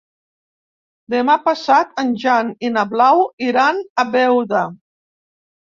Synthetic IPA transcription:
d̪emapasat̪ənʲʒaninaβlawiɾanaβɛwða

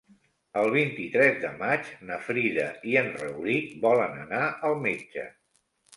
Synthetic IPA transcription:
əlˠβ̞int̪it̪ɾɛzd̪əmat͡ʃnəfɾiðəiənrəwlikbɔlənənaʔəlˠmed͡ʒə̰

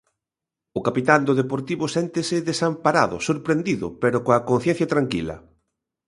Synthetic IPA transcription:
ʊkapit̪and̪ʊðepoɾt̪iβʊsɛnt̪ɪsɪðesampaɾa̰ðʊ̰soɾpɾend̪iðʊ̰peɾʊkoakon̟θjɛ̃n̟θjɐt̪ɾaŋkḭlɐ̰

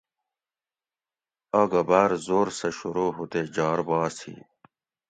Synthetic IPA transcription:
ɐɡɐbaːɾzoːɾsɐɕuɾoːɦut̪ed͡ʑaːɾbɑːsḭː

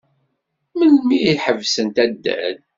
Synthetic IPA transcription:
məlmiiħəvsənt̪æd̪ːæ̰d

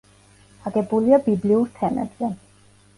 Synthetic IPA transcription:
aɡɛbuliabibliuɾt̪ʰɛmɛ̰bzɛ

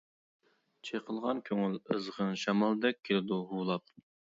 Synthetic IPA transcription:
t͡ʃʰeqʰəlˠʁɑnkʲʰøŋyləzʁənʃɑmɑlˠd̪ɛk̚ʲʰːelɪd̪uɦuːlˠɑp̚

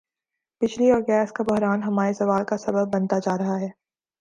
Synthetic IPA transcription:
pɪt͡ʃliɔːɾɡɛːskabʊɦɾaːnɦɐmaːɾesɐʋaːlkasɐbəbːɐ̃nt̪ad͡ʒaːɾɐɦaɦɛː

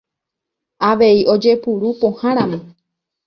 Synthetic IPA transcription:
aʋe̞iʔo̞d͡ʒe̞puɾupõhãɾ̃ãmõ

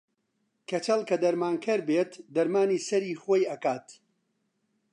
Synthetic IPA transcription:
kʰet͡ʃɐlˠkɐd̪ɐɾmaːŋkʰɐɾbeːt̪d̪ɐɾmaːniːsɐɾiːxoːjɐkaːt̪

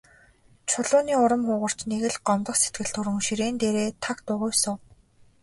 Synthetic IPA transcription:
t͡ɕʰʊɮʊːniːʊɾə̆mχʊːʁə̆r̥t͡ɕneɣɘ̆ɮɢɔmt̪ə̆χse̥t̪̚ɡɘ̆ɬt̪ʰʊɾɘ̆ŋʃiɾeːnt̪eːɾeːt̪ʰakt̪ʊʁʊjsɔ

